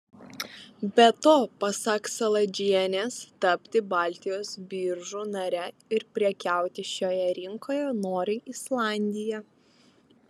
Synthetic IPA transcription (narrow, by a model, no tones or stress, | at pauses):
bʲɛt̪oːpɐsɐksɐlˠɐd͡ʒʲiɛnʲeːst̪ɐpʲt̪ʲɪbɑːˑlʲt̪ʲɪjoːsbʲiːɾʒuːnɐɾʲɛ | ɪɾpʲɾʲiɛkʲæˑʊt̪ʲɪʃʲoːjɛɾʲɪŋkoːjɛnoːɾʲɪɪslˠɑˑnʲd̪ʲɪjɛ